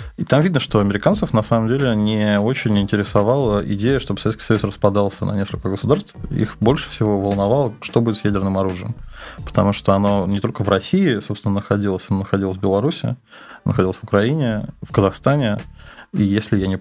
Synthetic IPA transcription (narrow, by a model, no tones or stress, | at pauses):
it̪amvʲid̪nəʂt̪o̞ɐmʲɪɾʲɪkant̪sɨfnɐsaməmdʲelʲɪnʲɪo̞t͡ɕɪnʲɪnʲtʲɪɾʲɪsɐvɑlˠəɪ̰dʲejəʂt̪obə̥sɐet̪skʲɪ̥sɐjusrəspɐd̪ɑlˠsʲənɐ̰nʲe̞skəlʲkəɡəsʊd̪arst̪fḭxbo̞lʲʂɨ̥fsʲɪvo̞vəlˠnɐvalˠəʂt̪obuɪt̪ʲsjædʲɪrnɨmɐɾuʐɨjə̰mpə̥t̪ɐ̰muʂt̪oɐnonʲɪt̪o̞lʲkəvrɐsʲiɪsopst̪vɪnənəxɐdʲilˠəsʲɐnonəxɐdʲilˠəsʲvbʲɪlˠɐɾusʲɪ̰ | nə̰xɐdʲilˠəsʲvʊkɾɐinʲɪfkəzɐxst̪anʲɪijesʲlʲɪjanʲɪ